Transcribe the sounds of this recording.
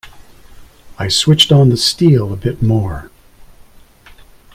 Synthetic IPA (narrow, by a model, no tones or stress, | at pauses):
aɪswɪt͡ʃtn̩ðəstilˠəbɪt̚mɔɹ